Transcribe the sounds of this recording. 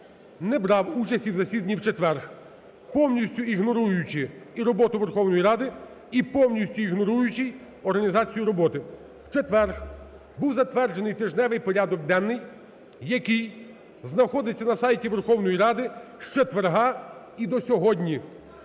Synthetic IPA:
nɛbɾɑwut͡ʃɐsʲtʲiwzɐsʲid̪ɐnʲiwt͡ʃet̪ʋɛrx | pɔwnʲisʲtʲʊiɦnɔɾujʊt͡ʃɪiɾɔbɔt̪ʊʋerxɔwnɔjiɾɑd̪ɪ | ipɔwnʲisʲtʲʊiɦnɔɾujʊt͡ʃɪj | ɔrɦɐnʲizɑt͡sʲijʊɾɔbɔt̪ɪ | wt͡ʃet̪ʋɛrx | buwzɐt̪ʋɛrd͡ʒenɪjt̪ɪʒnɛʋɪjpɔɾʲad̪ɔɡd̪ɛnːɪjː | ɐkɪj | znɐxɔd̪ɪt͡sʲːɐnɐsɑjtʲiʋerxɔwnɔjiɾɑd̪ɪʃt͡ʃet̪ʋerɦɑ | id̪ɔsʲɔɦɔdʲnʲi

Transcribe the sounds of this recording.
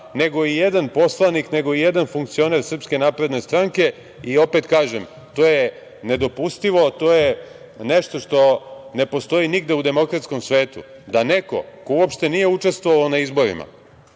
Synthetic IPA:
ne̞ɡo̞ijed̪anpo̞slˠanikne̞ɡo̞ije̞d̪anfuŋk̚t̪sio̞ne̞ɾsr̩pske̞naːpɾe̞d̪ne̞st̪ɾaŋke̞ | io̞pe̞t̪kaːʒem | t̪oːje | ne̞d̪o̞pust̪iʋo̞t̪o̞ːje | neʃt̪o̞ʂt̪o̞ne̞po̞st̪o̞iniɡd̪e̞ud̪e̞mo̞kɾat̪sko̞msʋe̞ːt̪ṵd̪ane̞ko̞̰kouopʃt̪e̞nije̞ut͡ʃe̞st̪ʋoʋaonaizbo̞ɾḭma̰

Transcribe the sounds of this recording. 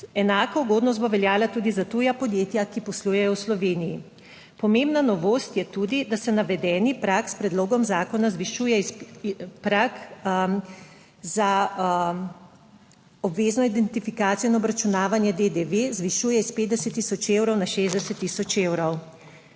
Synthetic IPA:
ɛnaːkɔuɡoːd̪nɔst̪boʋɛljaːlat̪uːd̪izat̪uːjapɔd̪jeːt̪jakipɔsluːjɛjɔwslɔʋeːniji | pɔmembnanɔʋoːst̪jɛt̪uːd̪id̪asɛnaʋɛd̪ɛːnipɾakspɾɛd̪loːɡɔmzaːkɔnazʋiʃuːjɛispɾak | za | ɔbʋeːznɔid̪ɛnt̪ifikaːt̪sijɔinɔbɾat͡ʃunaːʋanjɛd̪ed̪eʋezʋiʃuːjɛispeːd̪̚d̪ɛsɛt̪ːiːsɔt͡ʃeːwɾɔwnaʃeːzd̪ɛsɛt̪ːiːsɔt͡ʃeːwɾɔw

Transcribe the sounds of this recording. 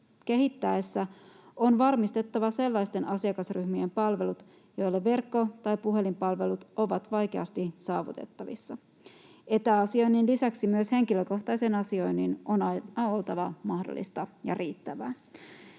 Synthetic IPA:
k̟e̞ɦit̪ːæesːæonʋɑrmist̪e̞t̪ːɑʋɑse̞lːɑjst̪e̞nʔɑsiɑkɑsryhmiempɑlʋe̞lut̪ | jo̞jlːeʋe̞rkːo̞t̪ɑjpuɦe̞limpɑlʋe̞lut̪o̞ʋɑt̪ʋɑjk̟e̞ɑst̪isɑːʋṵt̪e̞̰t̪ːɑʋḭsːɑ | et̪æɑsio̞jnːinlisæksimyøshe̞ŋkiløko̞xt̪ɑjsenɑsio̞jnːinonɑɑo̞lt̪ɑʋɑmɑhdo̰lːḭst̪ɑjɑ̰riːt̪ːæʋæː

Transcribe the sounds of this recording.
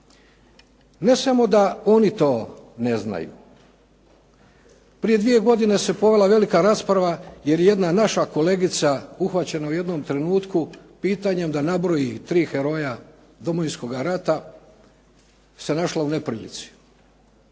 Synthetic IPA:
ne̞samo̞d̪ao̞nit̪o̞ːne̞zna̰jṵ | pɾije̞d̪ʋije̞ɡo̞d̪ine̞se̞po̞ʋe̞lˠaʋe̞likaɾaːspɾaʋaje̞ɾjeje̞d̪nanaʃako̞le̞ːɡit̪sauxʋat͡ɕenauje̞d̪nomt̪ɾe̞nuːt̪ku | piːt̪aɲe̞md̪anabɾo̞jit̪ɾiːxe̞ɾo̞ja | d̪o̞mojinsko̞ɡaɾat̪a | se̞naʃlaunepɾilḭt̪si̥

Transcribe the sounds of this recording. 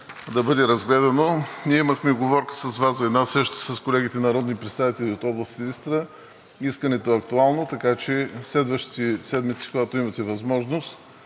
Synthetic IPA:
d̪ɐbɤd̪ɛɾɐzɡlɛd̪ɐnoniɛiməxmɛɡovɔɾkə̥sɐzvaszɐɛːd̪nasɾɛʃt̪o̥sɐskolɛɡit̪ɛnɐɾɔd̪nipɾɛt̪st̪avit̪ɛlʲiot̪ɔblˠəst̪ilʲist̪ɾə | iskənɛt̪oɐk̚t̪ualˠnot̪ɐkat͡ʃɛslɛd̪vəʃt̪i̥t̪ɛsɛd̪mit̪si̥koɡat̪oimɐt̪ɛvɐzmɔʒnost̪

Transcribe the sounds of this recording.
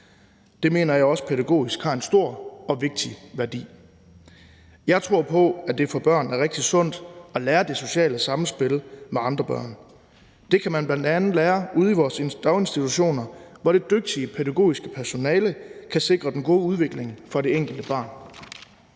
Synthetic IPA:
d̥e̝me̝̰ːnɐjɑ̈ɪɒ̽sə̥pʰeðæɡ̥o̝̰ːisɡ̥hɑ̈ːe̝nsd̥o̝ɐ̰ɒ̽ʋe̝ɡ̥̚d̥iʋæɐd̥ḭː | jɑ̈ɪt͡sʰʁo̝ɐ̰pʰɒ̽æd̥e̝fɒ̽b̥ɶɐ̰næɐʁɛɡ̥̚d̥isɔ̽n̰d̥ɒ̽læːɐd̥e̝so̝ɕɛ̰ːləsɑ̈m̩sb̥e̝lmeɑ̈nd̥ʁɐb̥ɶ̰ɐ̰n | d̥e̝kʰæmænb̥lænd̥ænð̩ˠlæːɐuð̞ˠiʋɒːse̝nd̥ɑʊe̝nsd̥it͡sʰuɕo̝̰ːnɐʋɒɾ̥e̝d̥øɡ̥̚d̥iəpʰeðæɡ̥o̝̰ːisɡ̥əpʰæɐso̝nɛːləkʰæse̝ɡ̥ʁɐd̥enɡ̥o̝ːuð̞ˠʋe̝ɡ̥le̝ŋfɒ̽ɾe̝eŋ̰ɡ̥l̩d̥əb̥ɑ̈ːn

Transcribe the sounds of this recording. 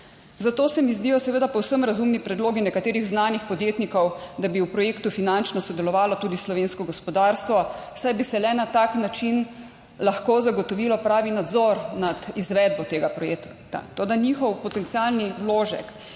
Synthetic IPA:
zat̪oːsɛmizd̪ijɔsɛʋeːd̪apɔwsəmɾazumnipɾɛd̪loːɡinɛkat̪eːɾiɣznaːnixpɔd̪jeːt̪nikɔwd̪abiuwpɾɔjeːkt̪ufinant͡ʃnɔsɔd̪ɛlɔʋaːlɔt̪uːd̪islɔʋeːnskɔɡɔspɔd̪aːɾst̪ʋɔ | sajbisɛlɛnat̪aknat͡ʃin | laxkozaɡɔt̪ɔʋilɔpɾaːʋinad̪zɔɾnad̪izʋɛd̪̚bɔt̪eːɡapɾɔjeːk | t̪a̰t̪oːd̪anixɔwpɔt̪ɛnt̪sialniwloːʒɛ̰k

